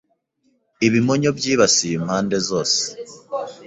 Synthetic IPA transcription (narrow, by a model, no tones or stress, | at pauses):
iβimoɲobjiːβasiimhaːnde̞zo̞ːse̥